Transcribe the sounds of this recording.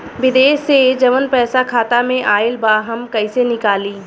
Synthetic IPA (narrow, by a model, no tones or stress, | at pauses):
ʋɪd̪eːʃed͡ʒɐʋənpɛːsakʰaːt̪amẽʔaːɪlbaːɦɐmkɐisenɪkaːliː